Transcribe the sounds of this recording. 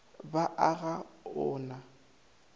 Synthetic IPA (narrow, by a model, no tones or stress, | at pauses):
baʔaɣaʊːna